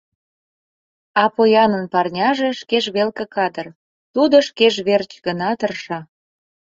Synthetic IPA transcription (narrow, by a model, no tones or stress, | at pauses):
ɑpojɑnənpɑrnʲɑʒeʃkeʒβelkəkɑd̪ər | t̪ud̪oʃkeʒβert͡ɕɡənɑt̪ərʃɑ